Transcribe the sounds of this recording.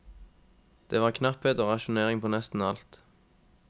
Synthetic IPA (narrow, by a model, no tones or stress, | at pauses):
d̪̥eːʋɑːʁkʰnɑpheːt̪oːʁɑʃʊneːʁɪŋpʰoːnɛst̪n̩ɑlt̪